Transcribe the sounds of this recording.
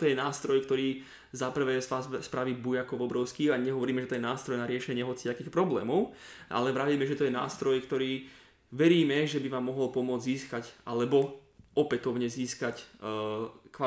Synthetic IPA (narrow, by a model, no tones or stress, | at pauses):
t̪ɔjɛnaːst̪ɾɔjkt̪ɔɾiː | zapr̩ʋɛːaspɾaʋibujakɔʋɔbɾɔʊskiaɲɛɦɔʋɔɾiːmɛʒɛt̪ɔjɛnaːst̪ɾɔjnaɾɪɛʃɛɲɪɛɦɔt͡si̥t̪akiːxpɾɔblɛ̰ːmɔʊʔa̰lɛʋɾaʋiːmɛʒɛt̪ɔjɛna̰ːst̪ɾɔjkt̪ɔɾiː | ʋɛɾiːmɛʒɛbiʋaːmːɔɦɔlpɔmʊɔd͡zziːskacalɛbɔ | ɔpɛt̪ɔʊɲɛziːskac | kʋa